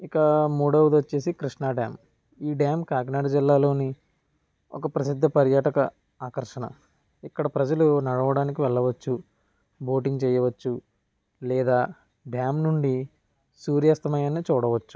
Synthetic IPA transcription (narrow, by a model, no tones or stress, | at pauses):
ikɐmuːɽɐwd̪ot͡ʃːe̞ːsikɾiʂɳaːɖja̰ːm | iːɖjaːmkaːɡnaːɽɐd͡ʒilːaːlo̞ːni | ɔ̰kɐpɾɐsid̪ʱːɐpɐɾjaːʈɐkɐ | aːkɐɾʂɐɳɐ̰ | ikːɐɽɐpɾɐd͡ʒɐlunɐɽɐʋɐɽaːnikiʋɛɭːɐʋɐt͡ʃːu | bo̞ːʈiŋɡt͡ʃɛːjɐʋɐt͡ʃːu | lɛːd̪aː | ɖjaːmnuɳɖi | suːɾjɐːst̪ɐmɐjaːnit͡ʃuːɽɐʋɐt͡ʃːu̥